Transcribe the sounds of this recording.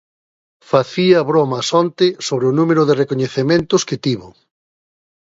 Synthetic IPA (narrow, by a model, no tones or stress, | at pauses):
faθiɐβɾomɐsɔnt̪ɪsoβɾeʊnumeɾʊðɪrekoɲeθemẽnt̪ʊskɪt̪iβʊ̰